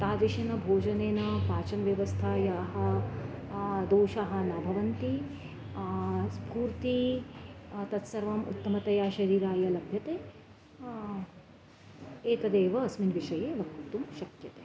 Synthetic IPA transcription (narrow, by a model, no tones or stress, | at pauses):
t̪aːd̪ɾiʃɐnɐbʱoːd͡ʒɐneːnɐpaːt͡ʃɐnɐʋjɐʋɐst̪ʰaːjaːɦɐ̆ | d̪oːʃaɦɐ̆nɐbʱɐʋɐnt̪i | spuːɾt̪i | t̪ɐt̪sɐɾʋɐmṵt̪ːɐmɐt̪ɐjaːʃɐɾiːɾaːjɐlɐbʱjɐt̪eː | eːt̪ɐd̪eːʋɐːsminʋiʃɐjeːʋɐkt̪ut̪umʃɐkjɐt̪e̥ː